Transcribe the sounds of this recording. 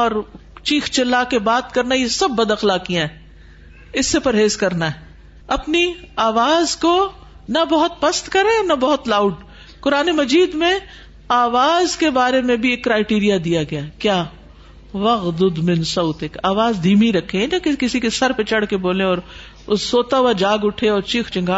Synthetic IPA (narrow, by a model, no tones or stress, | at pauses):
ɔːɾt͡ʃiːxt͡ʃɪlːakebaːt̪kɐɾnajesɐbːɐd̪ɐxlaːkijãɦɛː | ɪsːepɐɾɦeːzkɐɾnaɦɛ | ɐpniaːʋaːzko | nɐbɐɦʊt̪̚pɐst̪kɐɾẽnɐbɐɦʊt̪laːʊɖ | kʊɾaːnemɐd͡ʒiːd̪mẽ | aːʋaːzkebaːɾemẽbʱieːkːɾaːɪʈiːɾijad̪ijaɡɐjaːkjaː | ʋɐɣd̪ʊd̪mɪ̃nsɐʊt̪ɪkaːʋaːzd̪ʱiːmiɾɐkʰːẽnakɪkɪsikesɐɾpet͡ʃɐɽkeboːlẽɔːɾ | ʊːoːt̪aʊʋad͡ʒaːɡʊʈʰeɔːɾt͡ʃiːxt͡ʃɪ̃ŋɡʱaː